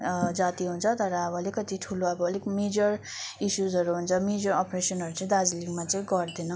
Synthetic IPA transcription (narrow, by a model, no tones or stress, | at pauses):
d͡zat̪iɦunt͡sʰʌt̪ʌɾʌʌbʌlekʌt̪iʈʰuloʌbʌːlekmed͡zʌrisuzɦʌɾuɦunt͡sʰʌmed͡zʌɾʌpresʌnɦʌɾut͡sʌ̃ĩd̪ad͡zliɡmat͡sʌj̃ɡʌrd̪inʌ